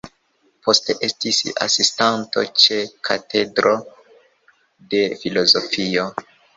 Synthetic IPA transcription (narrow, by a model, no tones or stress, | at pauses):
po̞steʔe̞stisa̰sistanto̞̰t͡ʃe̞kʰate̞dɾo̞ | de̞filo̞zo̞fio̞